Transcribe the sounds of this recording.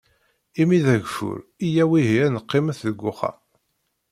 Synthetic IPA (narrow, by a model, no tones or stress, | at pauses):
imiðæʝfʊ̰ɾijæwiɦiænəqːɪmæθðəɡʷːʊχæ̰